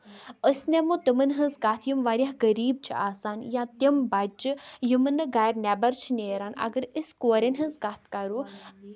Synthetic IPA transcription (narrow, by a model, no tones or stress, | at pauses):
əsʲnʲɛmũt̪əmənɦə̃nzɡaːt̪ʰjəmʋaːɾʲjaɦɡəɾiːb̚t͡ʃʰiaːsaːnjãt̪ʲəmbad͡ʒɨjɨmɨnɨɡaːjɾnʲɛːbɐɾt͡ʃʰnʲeːɾaːna̰ɡəɾəskoːɾʲenʲɦɐ̃nzɡaːt̪ʰkaɾu